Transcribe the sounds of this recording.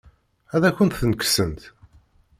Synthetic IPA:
æðæçʷənt̪θənəksənt̪

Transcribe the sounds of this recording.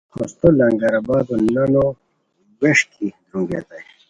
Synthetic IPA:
hʰost̪olɐŋɡɐɾabaːd̪onɐno | weʂkʰi | ɾũɡḛt̪aj

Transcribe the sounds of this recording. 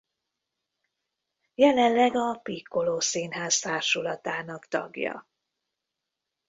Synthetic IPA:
jɛlɛnlɛɡɒpikːo̞loːseːnɦaːzt̪aːrʃulɒt̪aːnɒkt̪ɒ̰ɡjɒ̰

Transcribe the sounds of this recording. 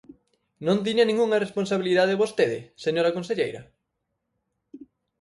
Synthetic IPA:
nõnt̪̬iɲɐnĩŋuŋɐresponsaβiliðaðeβost̪eðɪ̰seɲoɾɐkonseʎejɾɐ̰

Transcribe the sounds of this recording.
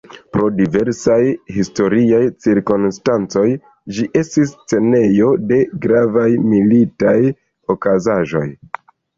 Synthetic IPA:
pɾo̞dive̞ɾsajhisto̞ɾiajt͡siɾkonstant͡so̞j | d͡ʒiʔe̞stis̬t͡se̞ne̞jo̞de̞ɡɾavajmilitaj | o̞kazaʒo̞̰j

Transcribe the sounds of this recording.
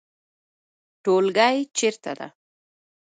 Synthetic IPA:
ʈolɢɑjt͡ʃɪɾt̪a̰d̪a̰

